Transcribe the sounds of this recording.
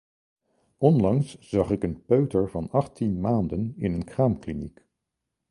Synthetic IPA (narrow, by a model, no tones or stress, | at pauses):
ɔnlɑŋsz̥ɑχɪkənpøɥtəɹvɑnɑχtinmaːndənɪnənkraːmklinik